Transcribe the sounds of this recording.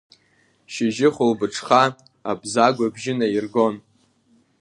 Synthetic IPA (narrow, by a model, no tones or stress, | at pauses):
ʃɪʒɪχʊlbɨʈ͡ʂʰχa | abzaɡʷabʒɪnairɡo̞n